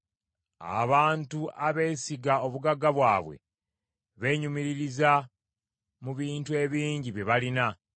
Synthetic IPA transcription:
a̰βaːntuʔaβe̞ːsiɡao̞βuɡaɡaβwaːβwe̞̰ | βe̞ːɲumiɾiɾiza | muβiːntue̞βiːɲɟiβjeβalina

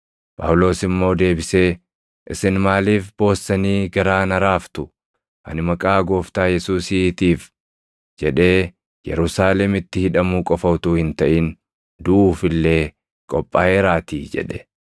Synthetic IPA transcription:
pʼa̰ːwʊlo̞ːsɪmːo̞ːd̪e̞ːbɪse̞ː | ʔɪsɪnmaːliːfb̥o̞ːsːɐniːɡɐɾaːnɐɾaːft̪ʊ | ʔɐ̰nɪmɐkʼaːɡo̞ːft̪aːjɛsuːsiːt̪iːf | d͡ʒɛᶑe̞ː | jɛ̰ɾʊsaːlɛmɪt̪ːɪhɪᶑɐmuːkʼɔfɐwt̪uːhɪnt̪ɐʔin | d̪ʊuːfɪlːe̞ː | kʼɔpʼːaːeːɾaːt̪iːd͡ʒɛ̰ᶑɛ̥

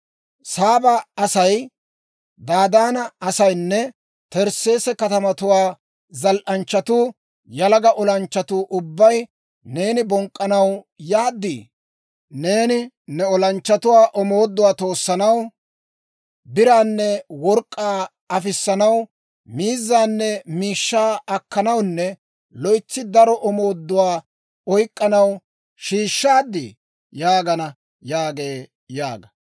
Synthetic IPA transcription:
saːbɐɐsɐj | d̪aːd̪aːnɐɐsɐjnːɛ | t̪ɛɾse̞ːsɛkɐt̪ɐmɐt̪ʊwaː | zɐlʔɐnt͡ʃːɐt̪uː | jɐlɐɡɐʔɔlɐnt͡ʃːɐt̪uːʔʊbːɐj | ne̞ːnɪbɔŋkʼːɐnɐw | jaːd̪ːḭː | ne̞ːnɪ | nɛɔlɐnt͡ʃːɐt̪ʊwaːʔɔmo̞ːd̪ːʊwaːt̪o̞ːsːɐnɐw | bɪɾaːnːɛwɔɾkʼːaː | ɐfɪsːɐnɐw | miːzːaːnːɛmiːʃːaːɐkːɐnɐwnːɛ | lɔjt͡sːɪd̪ɐɾɔʔɔmo̞ːd̪ːʊwaː | ɔjkʼːɐnɐw | ʃiːʃːaːd̪ːɪ̰ | jaːɡɐnɐ | jaːɡe̞ː | jaːɡɐ

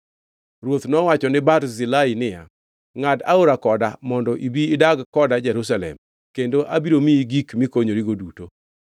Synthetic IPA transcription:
rwot̪nɔwat͡ʃɔnɪbaɾzɪlainɪja̰ | ŋada̰oɾakɔdamɔndɔʔibiːdaɡkɔdad͡ʒɛɾus̬alɛ̰m | kendoʔabiɾomiɡikmɪkoɲoɾiɡoduto

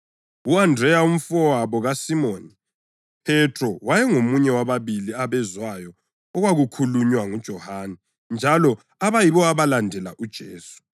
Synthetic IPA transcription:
uandrɛjaum̩fɔwaβɔɣasimoni | pʰɛtrɔwajɛŋomuɲɛwaβaβiliaβɛzwajɔ | ɔɣwaɣukʰuluɲwaŋud̥ʒ̥ʱɔhaːnɛ | nd͡ʒʱalɔ | aβajiβɔaβalandʱɛla̰ʔud̥ʒ̥ʱeːsu̥

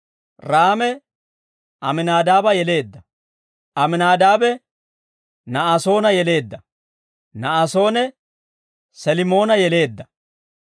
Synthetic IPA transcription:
ɾaːmɛ | ʔɐmɪnaːd̪aːbɐjɛle̞ːd̪ːɐ | ʔɐmɪnaːd̪aːbɛ | nɐaːso̞ːnɐjɛle̞ːd̪ːɐ | nɐaso̞ːnɛ | sɐlɪmo̞ːnɐjɛle̞ːd̪ːɐ

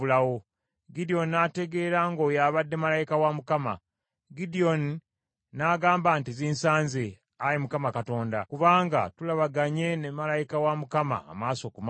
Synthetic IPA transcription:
ulawo | ɡidio̞ninate̞ɡe̞ɾaŋɡoːjaːβadːe̞malajikawamukama̰ | ɡidio̞ni | naɡaːmbantiziːnsaːnze | ajimukamakato̞ːnda̰kuβaːŋɡa̰tulaβaɡaɲe̞nemalajikawamukama̰ːmaːso̞kuma

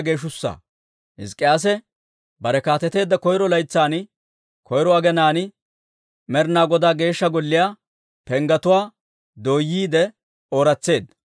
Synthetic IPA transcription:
ɡe̞ːʃʊsːa̰ː | hɪ̰skʼːɪjaːs̬ɛ | bɐɾɛkaːt̪ɛt̪e̞ːd̪ːɐkɔjɾɔlɐjt͡sːaːnɪ | kʰɔjɾɔɐɡɛnaːnɪ | mɛɾnaːɡɔd̪aːɡe̞ːʃːɐɡɔlːɪjaː | pɛŋɡɐt̪ʊwaː | d̪oːjːiːd̪ɛ | oːɾɐt͡sːe̞ːd̪ɐ

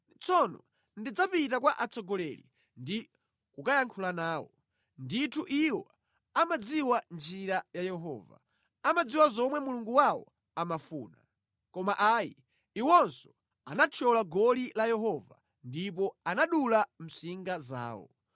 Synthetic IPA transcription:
t͡sʰɔnɔ | ndid͡zapitak̬waʔat͡sɔɡɔlɛlḭ | ndi | kukajaŋkʰulanaːwɔ | nditʰuʔiwɔ | amad͡ziwand͡ʒiɾajajɛɦɔ̰ːva̰ | amad͡ziwazɔmwɛmuluŋɡuwawɔ̰ | amafuːna̰ | kɔmaʔaji | iwɔnsɔ̥ | anat͡ʃʰɔlaɡɔlilajɛɦɔva̰ | ndipɔanaɗulam̩siŋɡaza̰ːwɔ̰

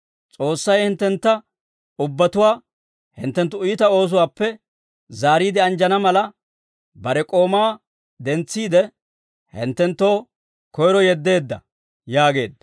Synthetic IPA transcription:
t͡sʼo̞ːsːɐjhɪnt̪ːɛnt̪ːɐ | ʊbːɐt̪ʊwaː | hɪ̰nt̪ːɛnt̪ːʊʊjɪt̪ɐo̞ːs̬ʊwaːpːɛ | zaːɾiːd̪ɪɐnd͡ʒɐnɐmɐlɐ | bɐɾɛkʼo̞ːmaː | d̪ɛnt͡sːiːd̪ɛ | hɪ̰nt̪ːɛnt̪ːo̞ː | kɔjɾɔjɛd̪ːe̞ːd̪ːɐ̰ | jaːɡe̞ːd̪ːɐ

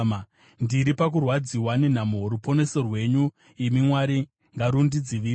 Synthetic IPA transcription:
ndiɾipak̬urwad͡ziwanen̤amuɦoɾupo̞ne̞so̞rwe̞ɲu | imimwaɾi | ŋɡaɾundid͡ziʋiː

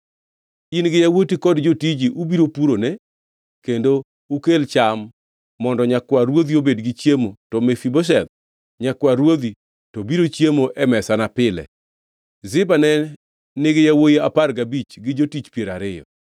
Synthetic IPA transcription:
inɡɪjawotikɔdd͡ʒotid͡ʒiʔubiɾopuɾonɛ | kendo | ukelt͡ʃamː | ɔndɔɲakwaɾwod̪iobedɡɪt͡ʃjemotɔmefiboʃ̬ɛd̪̚ | ɲakwaɾwod̪i | tɔbiɾot͡ʃjemoʔɛmɛsanapɪlɛ̰ | zɪbanɛ | nɪɡɪjawojiaparɡabit͡ʃɡɪd͡ʒotit͡ʃpjeɾaɾɪjɔ̰

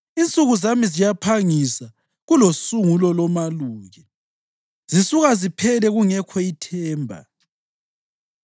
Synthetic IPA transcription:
int͡sʼuɣuzamizijapʰaŋisa | ɣulosuŋulɔlɔmaluːɣɛ | z̥isuɣazipʰɛlɛɣuŋɛkʰɔitʰɛːmbʱa̰

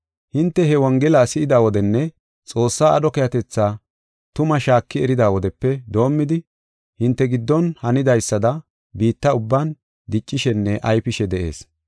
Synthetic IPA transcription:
hɪnt̪ːɛɦɛwɔŋɡɛlaːsɪʔɪd̪aːwɔd̪ɛnːɛ | t͡sʼo̞ːsːaːɐd̪ɔkɛjɐt̪ɛt͡sːaː | t̪ʊmɐʃaːkːɪɛɾɪd̪aːwɔd̪ɛpːɛd̪o̞ːmːɪd̪ɪ | hɪnt̪ːɛɡɪd̪ːɔnhɐnɪd̪ɐjsːɐd̪ɐ | biːt̪ːɐʊbːan | d̪ɪt͡ʃʼːɪʃɛnːɛʔɐjpɪʃɛd̪ɛʔe̞̰ːs

